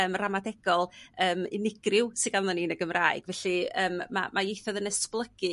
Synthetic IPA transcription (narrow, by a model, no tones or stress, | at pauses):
əːmramadɛɡ̥ɔlˠəːmɪ̰nɪɡ̥rɪwsɪɡanðɔniːnəɡəmraːɨɡ̥vɛɬɨəːmːa̰majejθɔðənɛsplˠəɡ̥ɨ